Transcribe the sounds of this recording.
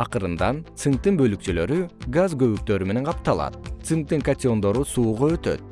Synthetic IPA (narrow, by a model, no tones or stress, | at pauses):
ɑqɯɾɯnd̪ɑnt̪sɨŋ̚t̪ɯnbø̞lyk̚t͡ʃylø̞ɾyɡazɡø̞βyk̚t̪ø̞ɾyme̞ne̞ɴqʰɑp̚t̪ɑlˠɑ̰t̪sɨŋk̚t̪ɯŋkat̪ʲɪo̞nd̪o̞ɾusuːʁoø̞t̪ø̞̰t̪̚